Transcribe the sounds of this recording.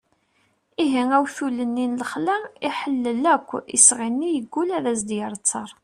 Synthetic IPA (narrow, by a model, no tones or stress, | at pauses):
iɦiŋæwθulənːinləχlæiħəlːəlækʷːḭsʁinːijəɡʷːulæðæsd̪jəɾˤt͡sːɑɾˤ